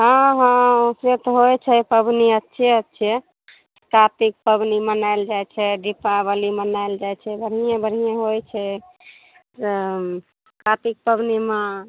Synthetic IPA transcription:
ɦə̃ɦə̃set̪ɦojt͡ʃʰɛpəbniətːʃʰeətːʃʰɛ | skat̪ik̚pəbnimənajld͡ʒajt͡ʃʰɛɖipabəlimənaeld͡ʒajt͡ʃʰɛbəɽ̤ijãbəɽ̤ijãɦojt͡ʃʰɛ | kat̪ik̚pəbnimẽ

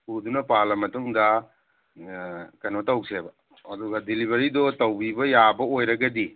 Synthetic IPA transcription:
udunɐpalɐmɐtuŋdɐ | kɐnotawsebɐ | ɐduɡadilibʱɐɾidɔtɐwbibɐjabɐojɾɐɡɐdi

